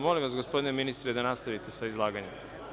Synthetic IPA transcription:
mo̞limʋasɡo̞spo̞d̪ineminist̪ɾed̪anast̪aʋit̪e̞saizlˠaːɡaɲem

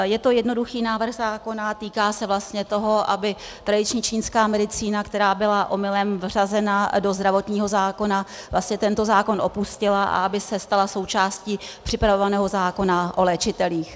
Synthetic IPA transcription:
jɛt̪o̞jɛdno̞duxiːnaːvr̩ɣzaːko̞nat̪iːkaːsɛvlast̪ɲɛt̪o̞ɦo̞ʔabɪt̪ɾadɪt͡ʃɲiːt͡ʃiːnskaːmɛdɪt͡siːnakt̪ɛɾaːbɪlaʔo̞mɪlɛmvr̝azɛnado̞zd̪ɾavo̞t̪ɲiːɦo̞zaːko̞navlʔast̪ɲɛt̪ɛnt̪o̞zaːko̞nʔo̞puscɪlaʔa̰ʔabɪsɛst̪alaso̞wt͡ʃaːsciːpr̥ɪpɾavovanɛːɦo̞zaːko̞naʔolɛːt͡ʃɪt̪ɛliːx

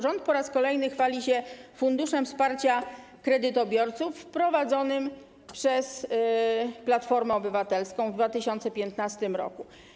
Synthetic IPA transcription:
ʐɔnt̪̚pɔɾaskɔlɛjnɘxfalʲiɕɛfund̪uʂɛmfspaɾt͡ɕa | kɾɛd̪ɘt̪ɔbʲjɔɾt̪sufpɾɔvad̪zɔnɘm | pʂɛs | plat̪fɔɾmɛɔbɘvat̪ɛlskɔ̃w̃vd̪vat̪ɘɕɔnt̪sɛpʲjɛnt̪nast̪ɘmɾɔ̰ku

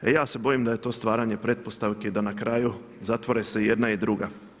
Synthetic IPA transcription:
ejaːse̞bo̞jimd̪aje̞t̪o̞ːst̪ʋaːɾaɲe̞pɾe̞t̪̚po̞st̪aʋked̪anakɾaju | zat̪ʋo̞ɾese̞je̞d̪naid̪ɾuɡa

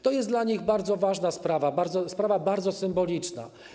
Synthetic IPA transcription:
t̪ɔjɛst̪d̪laɲiɣbaɾd̪zɔvaʐnaspɾavabaɾd̪zɔspɾavabaɾd̪zɔsɘmbɔlʲit͡ʂna̰

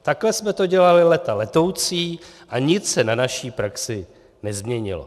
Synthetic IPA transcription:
t̪aklɛsmɛt̪o̞ɟɛlalɪlɛt̪alɛt̪o̞wt͡siːʔaɲɪt͡ssɛnanaʃiːpɾaksɪ | nɛzmɲɛɲɪ̰lo̰

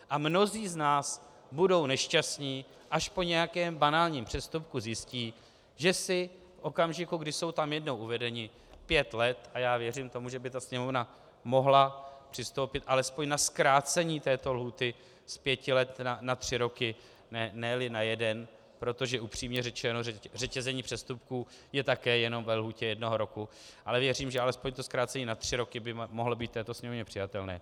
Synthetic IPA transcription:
ʔamno̞ziːznaːs | budo̞wnɛʃcast̪ɲiː | ʔaʃpo̞ɲɛjakɛːmbanaːlɲiːmpr̝̥ɛst̪up̚kuzjɪsciː | ʒɛsɪ | fʔo̞kamʒɪkuɡdɪso̞wt̪amjɛdno̞wʔuvɛdɛɲɪ | pjɛt̪lɛt̪ajaːvjɛr̝imt̪o̞muʒɛbɪt̪asɲɛmo̞vna | mo̞ɦlapr̥ɪst̪o̞wpɪt̪ʔalɛspo̞ɲnaskɾaːt͡sɛɲiːt̪ɛːt̪o̞lɦuːt̪ɪ | spjɛcɪlɛt̪nanat̪r̝̥ɪɾo̞kɪ | nɛnɛlɪnajɛdɛn | pɾo̞t̪o̞ʒɛʔupr̝̥iːmɲɛrɛt͡ʃɛnoɛrɛcɛzɛɲiːpr̝̥ɛst̪up̚kuː | jɛt̪akɛːjɛno̞mvɛlɦuːcɛjɛdno̞ɦo̞ɾo̞ku | ʔalɛvjɛriːmʒɛalɛspo̞ɲt̪oskɾaːt͡sɛɲiːnat̪r̝̥ɪɾo̞kɪbɪmoɦlobiːt̪̚t̪ɛːt̪o̞sɲɛmovɲɛpr̥ɪjat̪ɛlnɛ̰ː

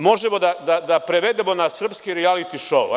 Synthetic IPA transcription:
mo̞ʒemo̞d̪ad̪ad̪apɾeʋed̪emo̞nasr̩pskiɾialit̪iʃou

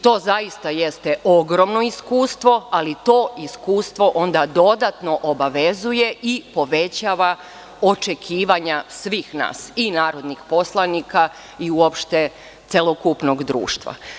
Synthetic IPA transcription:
t̪o̞ːzaist̪aje̞st̪eʔo̞ɡɾo̞mno̞iskuːst̪ʋo̞alit̪o̞ːiskuːst̪ʋo̞ʔo̞nd̪ad̪o̞d̪at̪no̞ʔobaʋezuje̞ʔipo̞ʋe̞t͡ɕaːʋa | o̞t͡ʃe̞kʰiːʋaɲasʋiːxna̰ːsinaːɾo̞d̪nixpo̞slˠanika | iuopʃt̪e̞ | t̪selokupno̞ɡd̪ɾṵːʃt̪ʋa̰

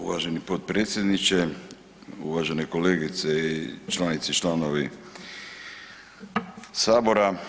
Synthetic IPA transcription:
ṵʋa̰ʒenipot̪̚pɾeːt̪sje̞d̪nit͡ʃe | ṵʋaʒenekoleːɡit̪seit͡ʃlanit̪sit͡ʃlanoʋi | saːbo̞ɾa

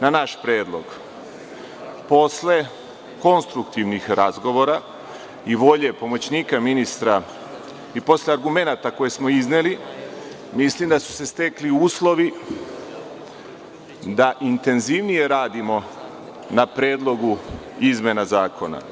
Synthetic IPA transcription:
nanaʃpɾeːd̪lˠo̞̰ɡ | po̞sle̞ | ko̞nst̪ɾukt̪iʋnixɾazɡo̞ʋo̞ɾa | iʋo̞ʎe̞po̞mo̞t͡ɕniːkaminist̪ɾa | ipo̞sleaɾɡume̞nat̪ako̞je̞smo̞izneli | mislimd̪asu̥se̞st̪e̞kliuːslˠo̞ʋi | d̪aʔint̪e̞nziʋnije̞ɾaːd̪imo̞ | napɾe̞ːd̪lˠo̞ɡuizmʲjenazaːkʰo̞na̰

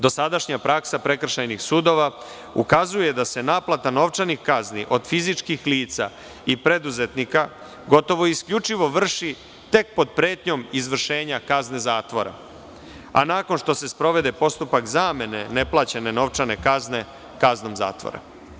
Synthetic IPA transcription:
d̪o̞sad̪aʃɲapɾaksapɾe̞kr̩ʃajnixsuːd̪o̞ʋa | ukazuje̞d̪ase̞naːplˠat̪ano̞ʋt͡ʃanixkazniʔo̞d̪fizit͡ʂkixliːt̪sa̰ | ipɾe̞d̪uze̞t̪nika | ɡo̞t̪o̞ʋo̞iskʎut͡ʂiʋo̞ʋr̩ʃi | t̪e̞k̚po̞d̪̚pɾeːt̪ɲo̞mizʋr̩ʃe̞ːɲakazne̞zaːt̪ʋo̞ɾa̰ | a̰naːko̞nʃt̪o̞se̞spɾo̞ʋe̞d̪e̞po̞st̪upakzaːme̞ne̞ne̞plˠat͡ɕene̞no̞ʋt͡ʂane̞kazne̞ | kazno̞mza̰ːt̪ʋo̰ɾa̰

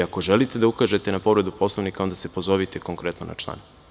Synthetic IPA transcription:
ako̞ʒelit̪e̞d̪aukaʒe̞t̪e̞napo̞ʋɾe̞d̪upo̞slˠoʋnikao̞nd̪ase̞po̞zo̞ʋit̪ʰeko̞ŋkɾe̞t̪nonʔa̰t͡ʃlˠa̰n

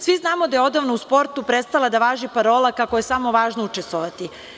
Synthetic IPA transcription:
sʋiznaːmod̪ajeo̞d̪aʋnouspo̞ɾt̪upɾet̪st̪alˠad̪aʋaːʒipaɾo̞ːlˠakakojesamo̞ʋaːʒnout͡ʃest̪ʋoʋat̪i

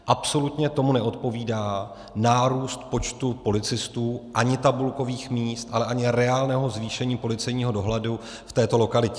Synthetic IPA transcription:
ʔapso̞lut̪ɲɛt̪o̞munɛʔo̞t̪po̞viːdaː | naːɾuːst̪po̞t͡ʃt̪upo̞lɪt͡sɪst̪uːʔaɲɪt̪abulko̞viːxmiːst̪ʔalɛʔaɲɪɾɛaːlnɛːɦo̞zviːʃɛɲiːpo̞lɪt͡sɛjɲiːɦo̞do̞ɦlɛdu | ft̪ɛːt̪o̞lo̞kalɪcɛ

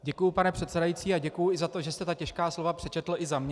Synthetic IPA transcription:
ɟɛkujʊpanɛpr̥ɛt̪t͡sɛdajiːt͡siːaɟɛkujʊɪzat̪o̞ʒɛst̪ɛt̪acɛʃkaːslo̞vapr̝̥ɛt͡ʃɛt̪l̩ʔɪzamɲɛ

